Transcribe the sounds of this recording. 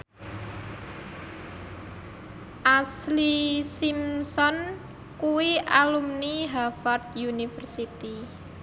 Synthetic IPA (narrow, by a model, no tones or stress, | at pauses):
ʔaslisimsɔn | kuwiʔalumniɦafart̪̚junifərsit̪i